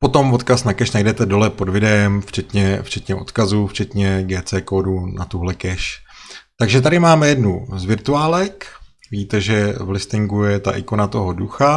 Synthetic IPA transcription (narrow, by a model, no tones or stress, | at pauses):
po̞t̪o̞mvo̞t̪kasnakɛʃnajdɛt̪ɛdo̞lɛpo̞dvɪdɛɛmft͡ʃɛt̪ɲɛft͡ʃɛt̪ɲɛʔo̞̰t̪kazuft͡ʃɛt̪ɲɛɡɛːt͡sɛːkoːdunat̪uɦlɛkɛʃ | t̪aɡʒɛt̪adɪmaːmɛjɛdnuzvɪɾt̪uaːlɛk | viiːt̪ɛʒɛvlɪst̪ɪŋɡujɛt̪a̰ʔɪkonat̪o̞ɦo̞duxa